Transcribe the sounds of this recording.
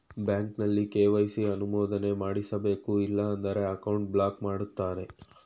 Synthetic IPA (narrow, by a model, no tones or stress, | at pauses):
bjaːŋknɐlːikeːʋɐjsiɐnumoːd̪ɐne̞maːɽisɐbe̞ːkuilːɐɐnd̪ɐɾe̞ɐkɐwɳʈ̚blaːkmaːɽut̪ːaːɾe̞